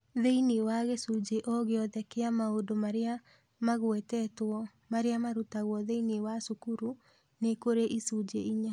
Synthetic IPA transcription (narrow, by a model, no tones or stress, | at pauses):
ðeiniwaɣesud͡ʒeʔɔɣeɔðɛkeamaodomaɾea | maɣwɛtɛtwɔ | maɾeamaɾutaɣwɔðeiniwasukuɾu | nekoɾeʔisud͡ʒeiɲa